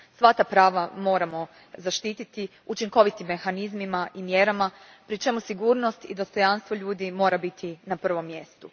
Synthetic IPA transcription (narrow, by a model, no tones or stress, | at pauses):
sʋat̪apɾaːʋamo̞ːɾamo̞ | zaʃt̪iːt̪it̪i | ut͡ʃiŋko̞ʋit̪imːe̞xanizmimaʔimje̞ɾama | pɾit͡ʃe̞musiɡuːɾno̞st̪ḭd̪o̞st̪o̞janst̪ʋo̞ʎuːd̪imo̞ːɾabit̪ʰinapr̩ʋo̞mːje̞st̪u